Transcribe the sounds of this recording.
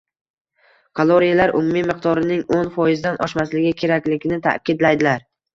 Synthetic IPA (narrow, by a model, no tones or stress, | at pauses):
kʰolˠoɾijalaɾʔʊ̰mumɪmɪq̚d̪ɒɾɪnɪŋonfɒjɪzd̪anʔɒ̰ʃmaslɪɡʲɪkʲʰe̞ɾakʲlɪɡʲɪnɪt̪ʰa̰kʲɪd̪lajd̪ɪlaɾ